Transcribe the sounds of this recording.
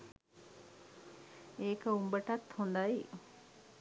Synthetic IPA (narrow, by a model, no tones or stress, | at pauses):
eːkɐumbɐʈɐt̪hund̪ai